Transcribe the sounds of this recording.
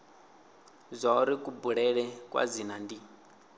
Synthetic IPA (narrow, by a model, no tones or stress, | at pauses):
zʷauɾikʼubuɺɛɺɛkʼwa̰d͡zinandi